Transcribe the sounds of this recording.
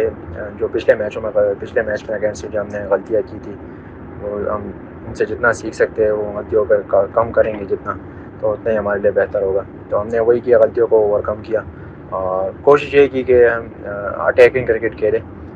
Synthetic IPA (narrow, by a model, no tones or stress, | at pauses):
ed͡ʒoːpɪt͡ʃʰlemɛːt͡ʃõmẽpɪt͡ʃʰlemɛːt͡ʃmẽɐɡɛːsmẽd͡ʒoɦɐmneɣɐlt̪ijakit̪ʰiː | ʋoːɦɐm | ʊnsed͡ʒɪt̪nasiːkʰsɐk̚t̪eɦɛ̃ʋoɣɐlt̪ijõkekakɐmkɐɾẽːŋɡed͡ʒɪt̪na | t̪oʊt̪naɦiɦɐmaːɾeliebɛɦt̪əɾɦoːɡaː | t̪oɦɐmneʋoɦikijaɣɐlt̪ijõkouːwəɾkɐmkijaː | ɔːɾkoːʃɪʃɦekikeɦɐm | ɐ̰ʈɛːkɪ̃ŋɡkɾɪkɪʈkʰeːlẽː